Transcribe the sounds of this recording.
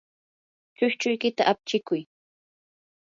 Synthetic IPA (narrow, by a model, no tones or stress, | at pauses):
t͡ʃʊʃt͡ʃʊjkɪt̪aʔap̚t͡ʃɪkʊj